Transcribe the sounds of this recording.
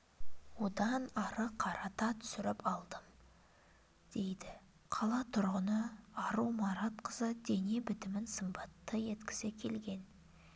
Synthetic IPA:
wo̞d̪ɑnɑɾəqʰɑɾɑt̪ɑt̪ʰʏ̥sʏɾɪpɑlˠd̪əm | d̪̥e̞jd̪ɪ | qʰɑlˠɑt̪ʰʊɾʁənəɑɾumɑɾɑt̪qʰəzəd̪e̞ne̞bɪt̪ɪmɪnsəmbɑt̪ːəje̞t̪kʲɪ̥sekʲʰe̞lɡʲe̞n

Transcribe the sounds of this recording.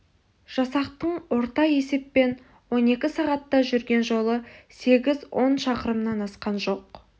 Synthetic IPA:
ʒ̥ɑsɑqt̪əɴwo̞ɾt̪ɑe̞se̞pːe̞n | wo̞ne̞kʲɪsɑʁɑt̪ːɑʒʏɾɡʲe̞nʒo̞lˠəse̞ɡʲɪzwo̞nʃɑqəɾəmnɑnɑsqɑnʒo̞q̚

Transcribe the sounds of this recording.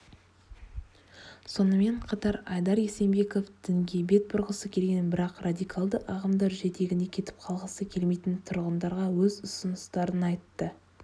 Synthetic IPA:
so̞nəme̞ɴqʰɑt̪ɑɾɑjd̪ɑɾese̞mbe̞ko̞fd̪̥ɪŋɡʲe̞jbe̞t̪̚bʊɾʁəsəkʲʰe̞lɡʲe̞nbɪɾɑqrad̪ijkʰɑlˠd̪əʔɑʁɑmd̪ɑɾʒe̞t̪e̞ɡʲɪne̞kʲʰe̞t̪ɪ̥p̚qʰɑlˠʁəsəkʲʰe̞lmejt̪ɪnt̪ʰʊɾʁənd̪ɑɾʁɑwɵzʊsʊnʊst̪ɑɾənɑjt̪ːə

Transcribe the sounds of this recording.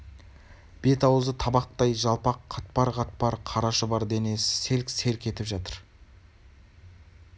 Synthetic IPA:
b̥e̞t̪ɑwəzət̪ʰɑbɑq̚t̪ɑjʒɑlˠpɑqʰːɑt̪̚pɑɾʁɑt̪̚pɑɾqʰɑɾɑʃəbɑɾd̪ene̞sse̞lkʲse̞lkʲʰe̞t̪ɪpʒɑt̪əɾ

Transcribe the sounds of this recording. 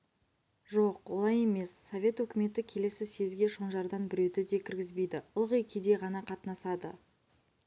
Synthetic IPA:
ʒo̞q̚wolˠɑje̞me̞sːovʲe̞t̪wɵkʲɪme̞t̪ɪkʲʰe̞le̞sɪse̞zɡʲe̞ʃo̞ɴʒɑɾd̪ɑnbɪɾe̞wd̪ɪd̪e̞kʲʰɪɾɡʲɪzbe̞jd̪ɪʊlˠʁəjkʲʰed̪e̞ʁɑnɑqʰɑt̪ənɑsɑd̪ə

